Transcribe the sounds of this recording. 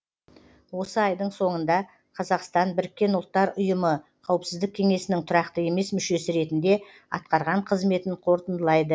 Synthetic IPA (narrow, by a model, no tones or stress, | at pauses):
wo̞səɑjd̪əɴso̞ɴənd̪ɑ | qʰɑzɑqst̪ɑnbɪɾɪk̚ʲːe̞nʊlˠt̪ːɑɾʊjəmə | qʰɑwəpsɪzd̪ɪkʲʰːe̞ŋe̞sɪnɪŋt̪ʰʊɾɑqt̪əe̞me̞smʏʃe̞sɪɾe̞t̪ɪnd̪e̞ | ɑ̰t̪̚qɑɾʁɑɴqʰəzme̞t̪ɪɴqʰo̞ɾt̪ənd̪əlˠɑjd̪ə